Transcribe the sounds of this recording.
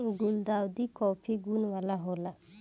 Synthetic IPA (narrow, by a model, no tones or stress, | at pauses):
ɡuld̪awd̪ikɔpʰiɡunwalaɦɔla